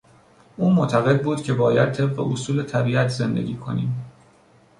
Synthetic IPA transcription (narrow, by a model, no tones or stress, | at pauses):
ʔuːmot̪ʰæɣe̞d̪̚buːd̪̥cʰe̞bɒːjæd̪̚t̪ʰe̞b̚ɢḛʔosuːle̞t̪ʰæbiːæt̪ʰze̞nd̪e̞̰ɟʲiːkʰo̞niːm